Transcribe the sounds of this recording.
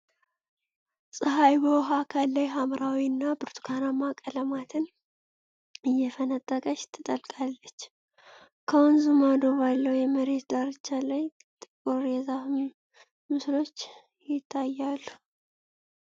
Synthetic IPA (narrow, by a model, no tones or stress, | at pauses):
sʼɨɦajbəwɦakʰalːajɦamɾawiɨnːabɨɾt̪ʰu̥kʰanamakʼələmat̪ʰɨn | ɨjːɛfənət̪ʼːəkʼəʃt̪ʰːɨt̪ʼəlkʼalːət͡ʃː | kʰəwɔnzɨmad̪o̞βalːəwjɛməɾe̞t̪d̪aɾɨt͡ʃːalaj | t̪ʼɨkʼoɾjɛzafm | mɨslo̞t͡ʃː | jɪt̪ʰːajːalːu̥